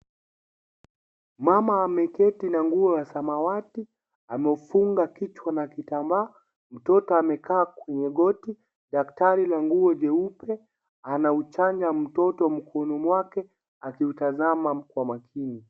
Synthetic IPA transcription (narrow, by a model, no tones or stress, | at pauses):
mamaːmɛkɛtinaŋɡuɔlasamawati | amɛufuŋɡakit͡ʃwanakitambaː | m̩tɔtɔamɛkaːkwɛɲɛɡɔti | ɗaktaɾilaŋɡuɔʄɛupɛ | anaut͡ʃaɲd͡ʒam̩tɔtɔm̩kʰɔnɔmwakɛ | akiutazamam̩kwamakʰini